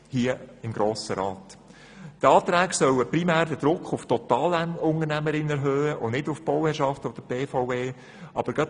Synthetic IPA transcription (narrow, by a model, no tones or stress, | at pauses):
hiːəɪmɡɾoːsəɾɑːt | t̪ɑːt̪ɾæːɡsœwəpɾimæːɾdəd̥̪ɾʊkʰχʊftɔt̪ɑːlænʊnəɾnæməɾɪnɛɾɦøːəʔonɪdʊfb̥ɔwhɛɾʃɑftɔd̥əb̥eːfoʊeː | ʔɑ̰b̥əɾɡɑt